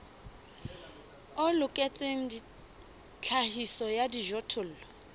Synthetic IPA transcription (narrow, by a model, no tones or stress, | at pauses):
ʊlʊkʼet͡sʼeŋ̩di | t͡ɬʰahisɔjadiʒɔtʰʊl̩ːlɔ